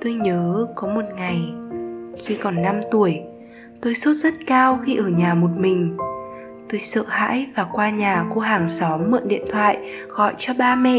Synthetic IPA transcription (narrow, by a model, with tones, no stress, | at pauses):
t̪o˧jɲəː˨˦kɔ˨˦mo˨˩t̚ŋa˨˩j | xi˧kɔ˨˩nːa˧mt̪u˧˩əj | t̪o˧jso˦˥t̚zə˦˥t̚kaː˧wxi˧ʔəː˧˩ɲaː˨˩mo˨˩t̚mï˨˩ŋ̟ | t̪o˧jsə̰ː˧˨ha̰ː˧˥jvaː˨˩kwaː˧ɲaː˨˩ko˧ɦaː˨˩ŋsɔ˨˦mːə̰ː˧˨nɗḭ˧˨ənt̪ʰwa̰ː˧˨j | ɣɔ̰˧˨jt͡ɕɔ˧ɓaː˧mɛ̰˧˨